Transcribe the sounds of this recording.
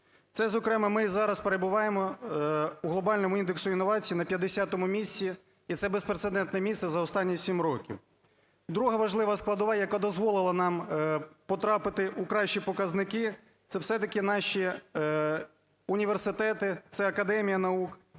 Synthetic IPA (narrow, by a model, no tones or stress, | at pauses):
t̪sɛzɔkɾɛmɐmɪzɑɾɐspeɾebʊʋɑjemɔ | uɦlˠɔbɑlʲnɔmʊind̪eksʊinːɔʋɑt͡sʲijinɐpʲjɐd̪ːesʲat̪ɔmʊmʲisʲt͡sʲiː | t̪sɛbespɾet̪sed̪ɛnt̪nɛmʲisɛzɐɔst̪ɑnʲːisʲimɾɔkʲḭw | d̪ɾuɦɐʋɐʒlˠɪʋɐsklˠɐd̪ɔʋɑjɐkad̪ɔzʋɔlˠɪlˠɐnɑmpɔt̪ɾɑpɪt̪ɪʔukɾɑʃt͡ʃipɔkɐznɪkɪ | t̪sɛwsɛt̪ɐkɪnɑʃi | unʲiʋersɪt̪ɛt̪ɪt̪sɛɐkɐd̪ɛmʲijɐnɐuk